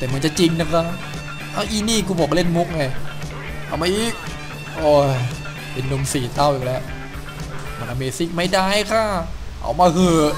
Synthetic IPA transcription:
t̪ɛː˨˩mɯ˧˦nt͡ɕa˨˩t͡ɕi˧ŋna˦˥kʰa˦˥ | ʔa˧˥˩ʔiː˧˩niː˥˩kuː˧bɔː˨˩k̚le˥˩nmu˦˥k̚ŋa˧j | ʔa̰˧˩wma˧ʔiː˦˥ | ʔoː˧˩ | pe˧nːo˧msiː˨˩t̪a˥˩wʔiː˨˩k̚lɛ˦˥w | ma˧nʔa˧meː˧si˦˥˩k̚ma˥˩jdaː˥˩jkʰaː˥˩ | ʔa̰˧˩wmaː˧kʰɯː˧

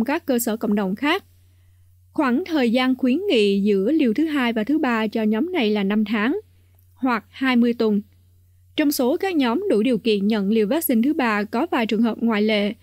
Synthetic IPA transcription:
ŋ͡mkaː˦˥kːəː˧səː˧˩kə̰˧˨wŋ͡mɗə˨˩wŋ͡mxaː˦˥k̚ | xwaː˧˩nt̪ʰəː˨˩jzaː˧nxwi˨˦ənŋḭ˧˨zɨ̰˧˥əli˧əwt̪ʰɨ˨˦ɦaː˧jvaː˨˩t̪ʰɨ˨˦ɓaː˧t͡ɕɔ˧ɲɔ˨˦mna˨˩jlaː˨˩na˧mt̪ʰaː˨˦ŋ | hwa˨˩k̚haː˧jmɨ˧əjt̪wə˨˩n | t͡ɕɔ˧wŋ͡mso˨˦kaː˦˥k̚ɲɔ˨˦mɗṵ˧˩ɗi˨˩əwkḭ˧˨ənɲə̰˧˨nli˧əwvaː˦˥t̚sï˧ŋ̟t̪ʰɨ˨˦ɓaː˧kɔ˨˦vaː˨˩jt͡ɕɨ˨˩əŋɦəː˨˩p̚ŋwaː˧˨jlḛ˧˨

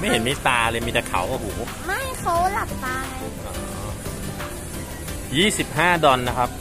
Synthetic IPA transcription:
ma˥˩jhe˩˦nmi˦˥t̪aː˧lɤː˧jmiː˧t̪a˧˩kʰa̰˩˦wʔa˧˩huː˩˦ | ma˥˩jkʰa˦˥wla˨˩p̚t̪aː˧ɦa˧jʔɔː˧˩˦ | jiː˥˩si˨˩p̚ɦaː˥˩dɔ˧nːa˦˥kʰa˦˥p̚

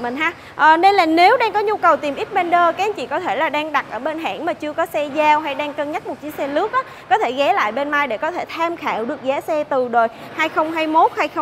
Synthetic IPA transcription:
mi˨˩ŋɦaː˧ | ʔəː˨˩ne˧nlaː˨˩ne˨˦wɗaː˧ŋkɔ˨˦ɲu˧kə˨˩wt̪i˨˩mʔi˦˥t̚ɓɛ˧nɗəː˧kaː˨˦a˨˦t͡ɕḭ˧˨kɔ˨˦t̪ʰe˧˩laː˨˩ɗaː˧ŋɗa˨˩t̚ʔəː˧˩ɓe˧nɦa̰ː˧˩ŋmaː˨˩t͡ɕɨ˧əkɔ˨˦sɛ˧zaː˧wɦa˧jɗaː˧ŋkəː˧ŋɲa˦˥t̚mo˨˩t̚t͡ɕi˨˦sɛ˧lɨ˦˥ək̚ʔaː˨˦kɔ˨˦t̪ʰe˧˩ɣɛ˨˦la̰ː˧˨jɓe˧nmaː˧jɗe˧˩kɔ˨˦t̪ʰe˧˩t̪ʰaː˧mxaː˧˩wɗɨ˨˩ək̚zaː˨˦sɛ˧t̪ɨ˨˩ɗo˨˩j | haː˧jxə˧wŋ͡mɦaː˧jmo˦˥t̚haː˧jxə˧wŋ͡m

